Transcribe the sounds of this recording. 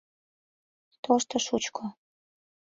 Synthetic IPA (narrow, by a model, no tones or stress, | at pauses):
t̪oʃt̪ɤ̆ʃut͡ɕkʰo